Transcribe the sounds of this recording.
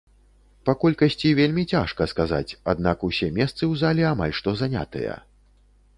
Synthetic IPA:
pɐkɔlʲkɐsʲt͡sʲivʲelʲmʲit͡sʲaʂkɐskaza̰t͡sʲa̰d̪̚nakusʲɛmʲɛst̪sɨwzalʲiama̰lʲʂt̪ɔzanʲa̰t̪ɨ̰jɐ̰

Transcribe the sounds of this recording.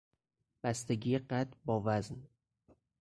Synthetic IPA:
b̥æst̪eɟiːeɢæt̪bɒːvæzn

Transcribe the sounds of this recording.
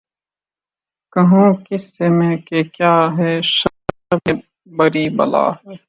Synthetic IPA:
kɐɦũːkɪsːemẽkekjaːɦɛʃɐ | e | bɐɾiːbɐ̰la̰ːɦɛː

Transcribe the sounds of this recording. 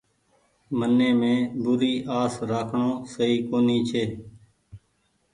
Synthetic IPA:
mənːẽːmẽːbʊɾiːʔaːsɾaːkʰɳõːsəiːkoːniːt͡ʃʰeː

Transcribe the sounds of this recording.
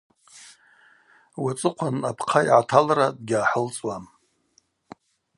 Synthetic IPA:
wat͡sʼɨqʷʰanapʰqʰajʕatʰalrad̚ɡʲaːħəlt͡sʼwam

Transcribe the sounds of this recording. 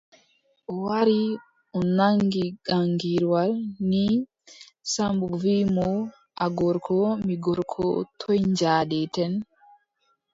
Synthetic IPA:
ʔɔwaɾi | ɔnaŋɡiɡaŋɡiɾwalni | sambuvimɔ | ʔaɡɔɾkʰɔmiɡɔɾkʰɔ̰tʰɔjɲd͡ʒaːɗɛtɛn

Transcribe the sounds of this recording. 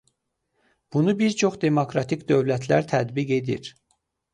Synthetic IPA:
b̥unubiɾt͡ʃʰoχd̪e̞mokɾɑt̪ʰikd̪ø̞vlæt̪ʰlæ̰ɾt̪ʰæd̪biɡe̞d̪ḭɾ

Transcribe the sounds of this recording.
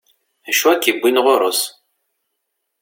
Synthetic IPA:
æʃuækːibʷːinʁoɾˤo̰s

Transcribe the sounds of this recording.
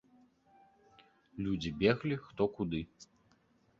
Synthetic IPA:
lʲud͡zʲibʲɛɣlʲixt̪ɔkud̪ɨ

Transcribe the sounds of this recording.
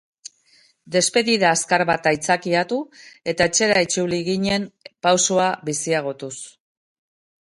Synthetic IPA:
d̪e̞spe̞ðiðaːskaɾβat̪ajt͡sakiat̪ue̞t̪aet͡ʃe̞ɾait͡suliɣiɲe̞mpawsoaβisiaɣ̞o̞t̪us

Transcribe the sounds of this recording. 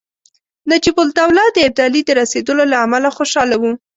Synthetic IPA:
nad͡ʒibʊlt̪awlɑd̪əɪb̚d̪ɑlid̪əɾased̪əlolaːmalaxoʃɑlawu

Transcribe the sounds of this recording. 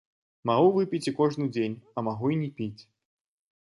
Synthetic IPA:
maɣuvɨpʲit͡sʲikɔʐnɨd͡zʲenʲɐmaɣuinʲɛpʲit͡sʲ

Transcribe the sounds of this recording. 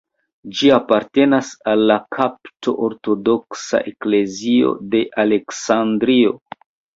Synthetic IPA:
d͡ʒiapaɾte̞nasalːakʰaptʰo̞ʔoɾto̞do̞ksa̰ʔe̞kle̞zio̞̰de̞ʔale̞ksandɾio̞

